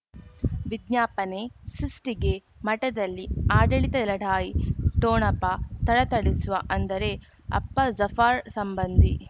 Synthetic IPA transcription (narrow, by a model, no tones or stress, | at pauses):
ʋid̪ɲaːpɐne̞sisʈiɡe̞ | mɐʈɐd̪ɐlːiaːɖɐɭit̪ɐlɐɽʱaːjiʈoːɳɐpːɐt̪ɐɽɐt̪ɐɽisuʋɐʔɐnd̪ɐɾe̞ | ɐ̰pːɐzɐfaːɾsɐmbɐnd̪i